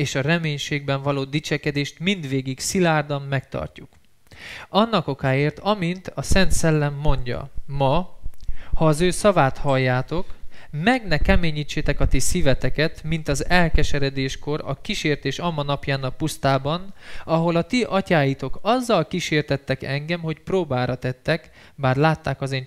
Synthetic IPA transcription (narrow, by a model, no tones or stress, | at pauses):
eːʃɒrɛmeːɲʃeːɡ̚bɛɱvɒloːd̪it͡ʃɛkɛd̪eːʃt̪mind̪ʋeːɡiɡsilaːrd̪ɒmːɛkt̪ɒ̰rcuk | ɒnːɒko̞kaːeːrt̪ɒmint̪ɒsɛnt̪sɛlːɛmːo̞ɲɟɒ̰mɒ | hɒːzøːsɒvaːt̪hɒjːaːt̪o̞kmɛɡnɛkɛmeːɲiːt͡ʃːeːt̪ɛkɒt̪isivɛt̪ɛkɛt̪mint̪ɒzɛlkɛʃɛɾɛd̪eːʃko̞ɾɒ̰kiʃeːrt̪eːʃɒmɒnɒpjaːnɒpust̪aːbɒnɒɦo̞lɒt̪iʔɒcaːjit̪o̞kɒzːɒlkiʃeːrt̪ɛt̪ːɛkɛŋɡɛmho̞cproːbaːɾɒt̪ɛt̪ːɛk | baːrlaːt̪ːaːkɒzeːn